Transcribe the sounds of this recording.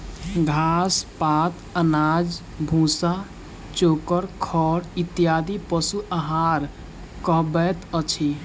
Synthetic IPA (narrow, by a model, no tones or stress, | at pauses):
ɡʱaspat̪ənad͡ʒ | bʱũsa | t͡ʃokəɾkʰɔɽit̪ijad̪ipəsuʔəɦaɾ | kəɦbɛt̪ət͡ʃʰi